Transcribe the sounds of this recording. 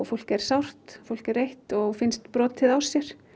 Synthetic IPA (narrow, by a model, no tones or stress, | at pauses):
fol̥kɛɾ̥sawr̥t̪fowl̥kɛɾːejht̪ɔɣfɪnst̪pɾɔːt̪ʰːɪðawsjɛɾ̥